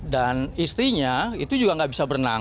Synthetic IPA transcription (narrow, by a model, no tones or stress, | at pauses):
danist̪ɾiɲait̪ud͡ʒuɡaŋɡaʔbisabərna̰ŋ